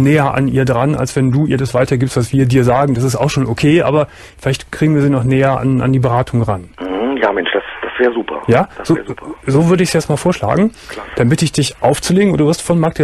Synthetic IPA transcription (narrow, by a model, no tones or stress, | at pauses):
nɛːɐʔa̰niːɐdʁanʔa̰lsv̥ɛnduːʔiːɐdasv̥aɪtɐɡiːpstv̥asv̥iːɐdiːɐzaːɡŋ̩d̥asɪstaʊxʃoːnʔokʰeːʔa̰ːbɐ | fɪlaɪçtkʁ̥iːɡŋ̩viːɐziːnɔχnɛːɐʔa̰nʔa̰ndiːbəʁaːtʰʊŋʁan̩h̩jaːmɛnʃd̥asd̥asv̥ɛːʁəzuːpʰɐ̰jaːd̥az̥opzoːvʏɐɾəɪçsjɛt͡stmaːlfoːɐʃla̰ːɡŋ̩ | d̥ambɪtəɪçd̥ɪçʔaʊft͡suleːɡŋ̩ʔʊduvɪɐstfɔnmaːk̚d̥iːɐ